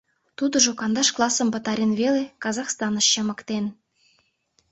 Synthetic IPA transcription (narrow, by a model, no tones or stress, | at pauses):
t̪ud̪ɤ̆ʒokɑnd̪ɑʃklˠɑsɤ̆mbɤ̆t̪ɑɾʲenβelekɑzɑχst̪ɑnɤ̆ʃːɤ̆mɤ̆kt̪en